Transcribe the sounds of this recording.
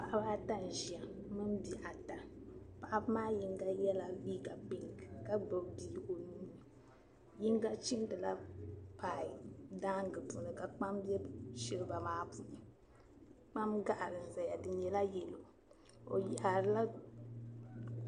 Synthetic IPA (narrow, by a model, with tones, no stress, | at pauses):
pa˨ʔa˦ba˦ta˦n̩˨ʒi˨a˨mɨ˦m˦bi˨ʔa˨ta˨pa˨ʔa˦bmaː˦ji˦ŋ˦ɡa˦jɛ˦la˨biː˦ɡa˨bi˨ŋɡka˦bɨ˨biː˦˨o˨nuː˦ɨ˨ | ji˦ŋ˦ɡa˦t͡ʃi˦n˦dɨ˨la˦paː˨i˨daː˦ŋ˦ɡɨ˨pu˨nɨ˨ka˨k͡pa˦mbɛ˦ʃɪ˦ɾɨ˦ba˨maː˦pu˨nɨ˨ | k͡pa˦mɡa˦ʔa˨ɾɨ˨n̩˨za˨ja˨dɨ˨ɲɛ˨la˦jɛ˨lo˨ | o̰˨ji˨ʔa˨ɾɨ˦la˦